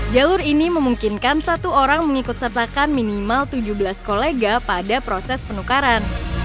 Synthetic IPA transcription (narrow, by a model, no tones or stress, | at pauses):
d͡ʒalʊɾiniməmuŋkinkansat̪uoɾaŋməŋikʊt̪sərt̪akanminimalt̪ud͡ʒuhbəlaskoleɡapadapɾosɛspənukaɾan